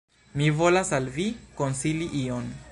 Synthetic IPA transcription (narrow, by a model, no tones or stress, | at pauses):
mivolasalvikonsiliʔion